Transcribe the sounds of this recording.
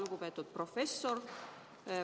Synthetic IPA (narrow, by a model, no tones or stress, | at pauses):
luɡupet̪ːˑud̪̚profesːor